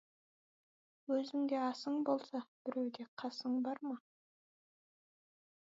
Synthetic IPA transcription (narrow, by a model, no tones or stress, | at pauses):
wɵzɪŋɡ̪ʲe̞ɑsəɴbo̞lˠsɑb̥ɪɾewd̪ʲe̞qʰɑsəɴbɑɾmɑ